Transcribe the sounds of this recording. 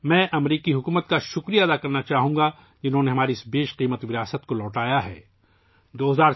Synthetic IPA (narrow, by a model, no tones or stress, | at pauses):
mɛ̃ːʔɐmɾiːkiɦʊkuːmət̪̚kaʃʊkɾijad̪akɐɾnat͡ʃaːɦũːŋɡa | d͡ʒɪnɦõneɦɐmaːɾiɪsbeːʃqiːmət̪ʋɪɾijaːsət̪kolɔːʈaːjaɦɛ̰ː | d̪oːɦɐzaːɾ